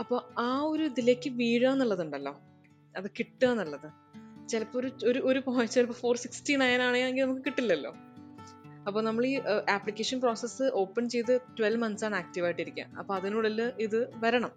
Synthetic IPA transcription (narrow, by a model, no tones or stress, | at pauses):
ɐpːo̞ːaːo̞ɾuid̪ile̞ːkʲːɨʋiːɻaːnːɐɭːɐðuɳɖɐlːo̞ː | ɐðɨkiʈːaːnːɐɭːɐðɨ | t͡ɕelɐpːoːɾuoɾuʔoɾupojt͡ɕːelɐpːoːfo̞ːrsikstiːnajaːnaːɳeaːneŋɡilnɐmukːɨkiʈːilːɐlːo̞̰ː | ɐpːo̞ːnɐmːɐɭiːʔaːpɭikʲːeːʂɐnpro̞ːsesːɨʔo̞ːpːɐnt͡ɕe̞jt̪̬ːɨtwelmɐnsaːɳaːk̚tiʋaːjiʈːiɾikʲːa̰ːmɐ̰pːo̞ːɐðinuːɽɐlːoʔiðɨʋɐɾɐɳɐm